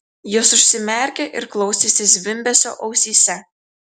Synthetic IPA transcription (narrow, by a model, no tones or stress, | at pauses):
josʊʃʲsʲɪmʲɛˑɾʲkʲeʔɪɾklˠɒʊsʲesʲɪsʲʋʲɪmʲbʲɛsʲo̰ːʔɐʊsʲiːsʲɛ